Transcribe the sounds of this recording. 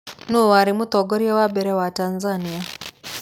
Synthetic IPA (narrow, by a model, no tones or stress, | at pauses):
nuwaɾimut̪ɔɡɔɾjɛwabɛɾɛwatanzania